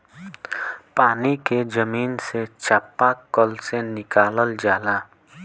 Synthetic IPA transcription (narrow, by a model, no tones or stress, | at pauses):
paːniked͡ʒəmiːnset͡ʃʰaːpːakəlsenɪkaːləld͡ʒaːlaː